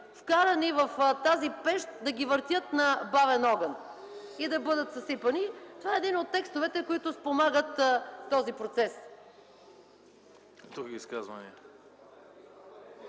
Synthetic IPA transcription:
fkaɾɐnivɐft̪azipɛʃt̪d̪ɐɡʲivəɾt̪ʲjət̪nɐbavɛnɔɡən | id̪ɐbɤd̪ət̪zɐsipənit̪ovaɛd̪inot̪ːɛkst̪ovɛt̪ɛkoit̪ʊspomaɡət̪ːɔzipɾot̪sɛs | d̪ɾuɡʲiiskazvɐ̰nḭə

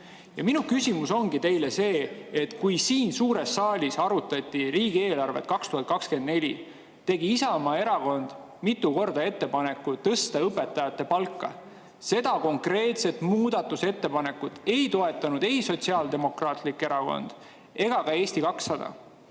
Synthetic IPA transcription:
jɑ̰minukysʲimuso̞ŋɡ̥it̪e̞jle̞se̞ːet̪kujsiːnsuːɾe̞sːɑːlʲisɑɾut̪ːˑɑt̪ʲːˑiriːɡ̥ie̞ːlɑrve̞̰t̪̚kɑkst̪uhɑt̪̚kɑkske̞nd̪ne̞lʲḭ | t̪e̞ɡiisɑmɑe̞ɾɑko̞nd̪̥ | mit̪ːˑuko̞rd̪ɑe̞t̪ːe̞pɑne̞kːˑut̪ɤst̪ɑɤpːˑe̞t̪ːˑɑjɑt̪ːe̞pɑlkːɑ̰ | se̞d̪̥ɑko̞ŋkre̞ːt̪se̞t̪muːd̪̥ɑt̪ːˑuse̞t̪ːe̞pɑne̞kːˑut̪e̞jt̪o̞e̞t̪ːˑɑnud̪̥e̞jso̞t̪ʲsiɑːld̪e̞mo̞krɑːt̪likːe̞ɾɑko̞̰nd̪̥ | e̞ɡ̥ɑkɑe̞ːst̪ikɑksːɑd̪̥ɑ̰

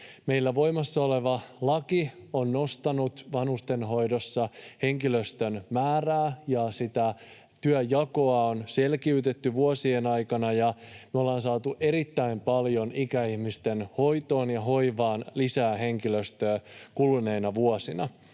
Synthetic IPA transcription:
me̞jlːæʋo̞jmɑsːɑo̞le̞ʋɑlɑkionːo̞st̪ɑnut̪ʋɑnust̪e̞nɦo̞jdosːɑhe̞ŋkiløst̪ønmæːræːjɑsit̪æ | t̪yæjɑkoɑonse̞lkiyt̪et̪ːyʋuosienɑjkɑnɑjɑmyolːɑːnsɑːt̪uʔe̞ɾit̪ːæimpɑljo̞nikæihmist̪enho̞jt̪o̞ːnjɑɦo̞iʋɑːnlisæːɦe̞ŋkiløst̪øːkulneinɑʋuosinɑ̰

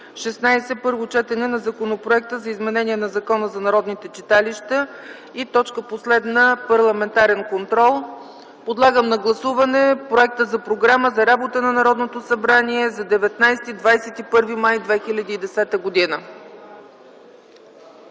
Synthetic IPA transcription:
ʃɛsnajsɛpɤɾvot͡ʃɛt̪ɛnɛnɐzɐkonopɾoɛk̚t̪əzɐizmɛnɛniɛnɐzɐkɔnəzɐnɐɾɔd̪nit̪ɛt͡ʃit̪aliʃt̪ə | it̪ɔt͡ʃkəposlɛd̪nəpɐɾlˠɐmɛnt̪aɾɛnkont̪ɾɔlˠ | pod̪lˠaɡəmnɐɡlˠɐsuvɐnɛpɾoɛk̚t̪əzɐpɾoɡɾaməzɐɾabot̪ənɐnɐɾɔd̪not̪osɐbɾaniɛzɐd̪ɛvɛt̪najst̪id̪vajsɛt̪ipɤɾvimajd̪vɛxilʲəd̪iːd̪ɛsɛt̪əɡod̪inə

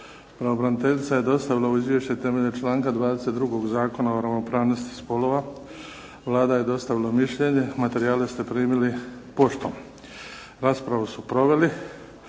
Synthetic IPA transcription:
pɾaobɾanit̪e̞ʎit̪saje̞d̪o̞st̪aʋilauizʋjeʃt͡ɕet̪e̞me̞ʎet͡ʃlˠaːŋkad̪ʋaːd̪e̞se̞t̪̚d̪ɾuɡo̞ɡzaːko̞naoɾaʋno̞pɾaːʋno̞st̪i̥spo̞lo̞ʋa | ʋlˠaːd̪aje̞d̪o̞st̪aʋilamiʃʎe̞ɲe̞mat̪e̞ɾiaːlest̪e̞pɾiːmilipo̞ʃt̪om | ɾaːspɾaʋusupɾo̞ʋe̞li

